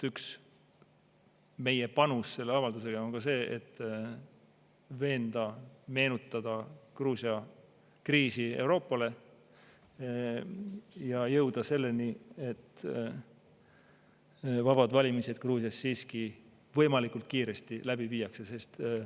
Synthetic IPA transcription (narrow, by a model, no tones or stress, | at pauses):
yks | me̞je̞pɑnusse̞lːeɑvɑld̪us̬ekɑonŋɡ̥ɑse̞ːʔḛt̪ːˑ | ve̞ːnd̪̥ɑme̞ːnut̪ːˑɑd̪̥ɑkruːsiɑ | kriːsie̞wɾo̞ːpːˑɑle̞ | jɑjɤwd̪̥ɑse̞lːe̞nie̞t̪ː | vɑb̥ɑd̪̥vɑlʲimiset̪̚kruːsjɑsːiːski | vɤjmɑlikult̪̚kiːɾe̞st̪ilæb̥iviːjɑkse̞se̞st̪